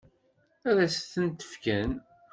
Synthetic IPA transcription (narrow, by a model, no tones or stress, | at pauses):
æðæsθənt̪ə̥fkæn